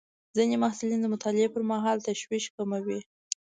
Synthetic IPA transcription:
zinemahsʊlind̪əmʊt̪ɑlɪepəɾmaɦɑlt̪aʃwiʃkamawi

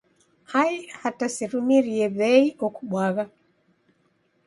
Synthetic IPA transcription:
haihatasɛɾumiɾiɛβɛiʔɔkuɓwaɣa

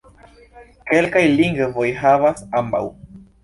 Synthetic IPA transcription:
kelkajliŋɡvojɦavasamba̰w

